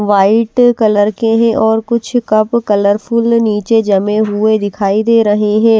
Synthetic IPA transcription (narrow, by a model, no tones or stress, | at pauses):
ʋaːɪʈkɐləɾkeɦɛ̃ʔɔːɾkʊt͡ʃʰkɐpkɐləɾpʰʊlniːt͡ʃed͡ʒɐmẽɦʊed̪ɪkʰaːid̪eːɾɐɦeɦɛ̃ː